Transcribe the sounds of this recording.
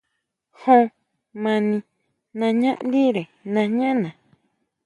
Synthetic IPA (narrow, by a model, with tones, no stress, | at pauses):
hõ˧ | mã˧nĩ˧ | nã˧ɲã˦ʔnd̪i˦ɾe˨nã˧ɲã˦ʔnã˨